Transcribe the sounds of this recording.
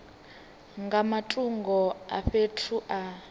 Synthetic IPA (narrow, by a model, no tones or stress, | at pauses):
ŋɡamatʼuŋɡɔaɸetʰuʔa